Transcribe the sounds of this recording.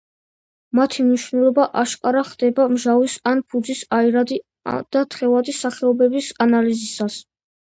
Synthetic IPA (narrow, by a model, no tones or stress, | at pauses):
mat̪ʰimniʃvnɛlˠɔbaʔaʃkʼaɾaχd̪ɛbamʒavisanpʰud̪zisaiɾad̪i | d̪̥at̪ʰχɛvad̪isaχɛɔbɛbisanalizisas